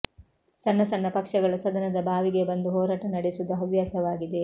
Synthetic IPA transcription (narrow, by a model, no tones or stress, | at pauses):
sɐnːɐsɐnːɐpɐkʂɐɡɐɭɐsɐd̪ɐnɐd̪ɐbʱaːʋiɡe̞bɐnd̪uɦɔːɾaːʈɐnɐɽesud̪ɐɦɐʋjaːsɐʋaːɡid̪e̞